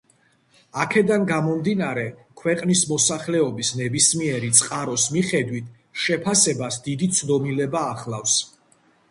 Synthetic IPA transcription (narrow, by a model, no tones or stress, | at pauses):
akʰɛd̪anɡamɔmd̪inaɾɛkʰwɛqʼnismɔsaχlɛɔbisnɛbismiɛɾit̪sʼqʼaɾɔsmiχɛd̪wit̪ʰ | ʃɛpʰasɛbasd̪id̪it̪sʰd̪ɔmilɛbaːχlˠafs